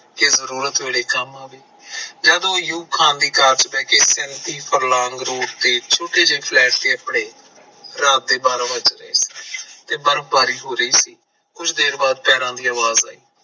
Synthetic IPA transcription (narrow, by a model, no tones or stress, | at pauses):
kezəɾuːɾət̪eːɽeːkəmãːbiː | d͡ʒaːd̪õːjuːkʰːãːnd̪iːkaːɾt͡ʃpɛːkesɛ̃nt̪iːpʰəɾlãːŋɡɾoːʈ̚t̪eːt͡ʃʰoːʈeːd͡ʒeːpʰlɛːʈ̚t̪eːapɽeː | ɾaːd̪̚eːbaːɾãʋəd͡ʒɾəḛːsi̥ːt̪eːbəɾəbaːɾiːɦoːɾəiːsiː | kʊt͡ʃʰd̪eːɾbaːd̪̚pɛːɾãːd̪iːaːʋaːza̰ːiː